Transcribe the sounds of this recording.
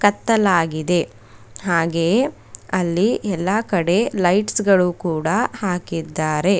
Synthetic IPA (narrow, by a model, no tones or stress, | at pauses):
kɐt̪ːɐlaːɡid̪e̞ | ɦaːɡeː | ɐlːiʔɛlːɐkɐɽe̞lɐjʈsɡɐɭukuːɽɐhaːkid̪ːaːɾe̞